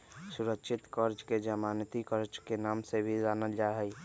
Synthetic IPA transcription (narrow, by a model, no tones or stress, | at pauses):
sʊɾəkʃʰɪt̪kəɾt͡ʃked͡ʒəmaːnt̪ikəɾd͡ʒkenaːmsebʱid͡ʒaːnəd͡ʒaɦɛi